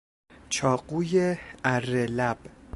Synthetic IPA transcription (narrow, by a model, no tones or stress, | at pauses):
t͡ʃʰɒːɢuːjeæɾːelæb̥